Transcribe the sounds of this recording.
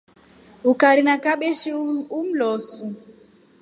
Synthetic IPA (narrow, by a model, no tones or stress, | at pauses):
ukaɾinakaɓeʃium̩lɔsu